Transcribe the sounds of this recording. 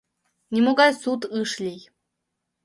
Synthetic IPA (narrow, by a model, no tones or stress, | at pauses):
nʲimoɡɑjsut̪ɨʃlʲij